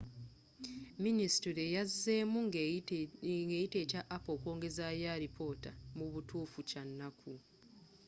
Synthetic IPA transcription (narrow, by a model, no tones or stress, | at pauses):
ministiɾejazːe̞ːmu | ɡeːjite̞ːcaʔːpo̞ːkwo̞ːŋɡe̞zajaɾipʰo̞tamuβutuːfucanːakʰu